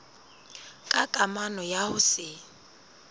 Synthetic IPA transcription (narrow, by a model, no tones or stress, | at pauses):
kʼakʼamanɔjahʊsɪ